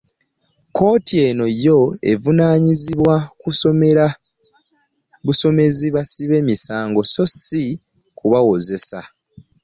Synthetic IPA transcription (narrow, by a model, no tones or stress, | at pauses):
ko̞ːtie̞no̞jo̞e̞̰vunaːɲiziβwakusome̞ɾa | βuso̞me̞ziβasiβe̞ːmisaːŋɡo̞so̞si | kuβawo̞ze̞sa̰